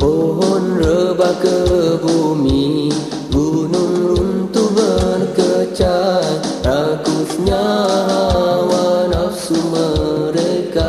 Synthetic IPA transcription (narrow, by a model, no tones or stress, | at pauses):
oɦonɾəbakəbʱumi | ɡununɾunt̪ubənkət͡ʃa | ɾakusɲaɦwanɐsuməɾeka